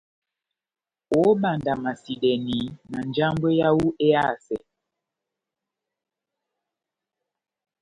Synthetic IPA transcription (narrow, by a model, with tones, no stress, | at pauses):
o˦ɓa˨nda˨ma˨si˨ɗɛ˨ni˨˦na˨nd͡ʒa˦mbwe˦ja˦wu˦e˦a˦˨sɛ˨